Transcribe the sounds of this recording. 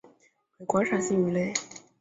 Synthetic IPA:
we˨˩ɪkwa˧˥ʂa˨˩ɕi˥ŋy˧˥le˥˩ɪ

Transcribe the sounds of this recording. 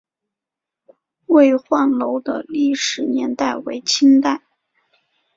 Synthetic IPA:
we˥˧ɪxwa˥˩nlo˧˥ʊd̪ə̰˧li˥˩ʂɻ̩˨˩njɛ˧˥nt̪a˥˩ɪwe˧˥ɪt͡ɕʰi˥ŋt̪a˥˩ɪ

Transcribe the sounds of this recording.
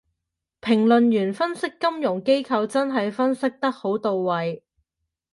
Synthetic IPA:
pʰɪ˨˩ŋlɵ˨njyː˨˩nfɐ˥nsɪ˥kːɐ˥mjʊ˨˩ŋke˥jkʰɐ˧wt͡sɐ˥nɦɐ˨jfɐ˥nsɪ˥k̚t̪ɐ˥k̚ho˨˥wt̪o˨wːɐ˨j

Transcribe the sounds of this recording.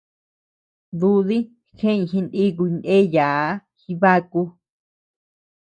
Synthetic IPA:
ðu˦ði˦ | xẽ˦ĩ˧xi˧ndi˦k̬u˧nẽ˦ja˨˦xi˧βa˦ku˧

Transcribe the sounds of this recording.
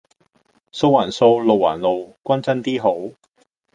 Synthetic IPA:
so˧wːaː˨˩nso˧wlo˨wa̰ː˨˩nlo˨wkʷɐ˥nt͡sɐ˥nt̪iː˥ɦo˨˥w

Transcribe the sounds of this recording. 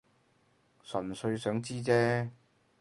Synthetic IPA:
sɵ˨˩nsɵ˧ɥsœː˨˥ŋt͡siː˥t͡sɛː˥

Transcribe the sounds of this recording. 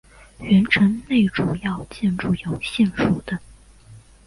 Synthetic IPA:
ɥɛ˧˥nʈ͡ʂʰə˧˥nne˥˩ɪʈ͡ʂu˨˩jɑ˥˧ʊt͡ɕjɛ˥˧nʈ͡ʂu˥˩jo˨˩ʊɕjɛ˥˧nʂu˨˩d̪̥ə˦

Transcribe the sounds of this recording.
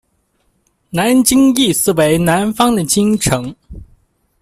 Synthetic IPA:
na˧˥nt͡ɕi˥ŋi˥˩sɹ̩˥˩we˧˥ɪna˧˥nfɑ˥ŋd̪ə˨t͡ɕi˥ŋʈ͡ʂʰɤ˧˥ŋ

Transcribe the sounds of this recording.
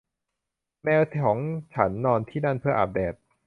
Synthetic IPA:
mɛː˧wt̪ʰɔː˩˦ŋt͡ɕʰa˦˥nːɔː˧nt̪ʰiː˥˩na˥˩npʰɯ˥˩ɐʔa̰˧p̚deː˨˩t̪̚

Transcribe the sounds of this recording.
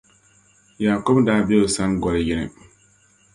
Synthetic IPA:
jaː˨ko˦bdaː˦bɛ˦˨sa˦nɡɔ˨lɪ˦jɪ˦nɪ̰˨

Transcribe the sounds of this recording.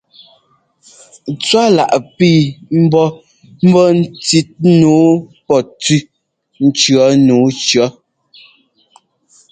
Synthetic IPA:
t͡swa˦la̰˨ʔpiː˦˨m̩˦bɔ˦ | m̩˦bɔ˦n̩˦t͡si˦t̚nuː˨˦pɔ˨t͡si˦ | n̩˦t͡ʃɰɔ˨˦nuː˨˦t͡ʃɰɔ˨˦

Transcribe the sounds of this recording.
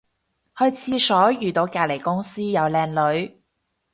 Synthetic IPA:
hɵ˧ɥt͡sʰiː˧sɔː˨˥jyː˨˩t̪o˨˧wkaː˧le˨˩jkʊ˥ŋsiː˥jɐ˨˧wlɛː˧ŋlɵ˨˥ɥ

